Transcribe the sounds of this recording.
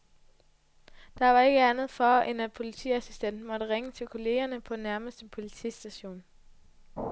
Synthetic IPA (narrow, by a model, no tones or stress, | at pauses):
d̥ɑ̈ʋɑ̈e̝ɡ̥əænð̩ˠfɒʔenæ̥pʰo̝lit͡sʰḭːæsisd̥en̰d̥mɒ̽ɾ̥əʁeŋət͡sʰe̝lkʰo̝le̝ːɐnəpʰɒ̽næɐməsd̥əpʰo̝lit͡sʰḭːsd̥æɕo̝̰ːn